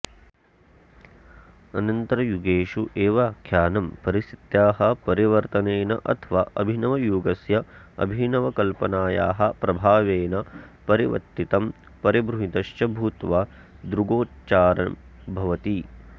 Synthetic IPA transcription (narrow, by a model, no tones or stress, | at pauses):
ɐnɐnt̪ɐɾɐjuɡeːʃuʔeːʋakʰjaːnɐmpɐɾisit̪jaːɦɐ̆pɐɾiʋɐɾt̪ɐneːnɐ̰ʔɐt̪ʰɐʋaːʔɐ̰bʱinɐʋɐjuːɡɐsjɐɐ̰bʱinɐʋɐkɐlpɐnaːjaːɦɐ̆pɾɐbʱaːʋeːnɐpɐɾiʋɐ̰t̪ːit̪ɐm | pɐɾibɾuɦit̪ɐʃt͡ʃɐbʱuːt̪ʋaː | d̪ɾuɡoːtt͡ʃaːɾɐ̰mbʱɐʋɐt̪i